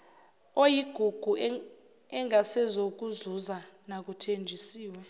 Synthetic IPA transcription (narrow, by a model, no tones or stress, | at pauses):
ojiɡ̥ʱuɡ̥ʱu | ɛŋʱasɛzok̬ʼuzuzanak̬ʼutʰend͡ʒʱisiːwɛ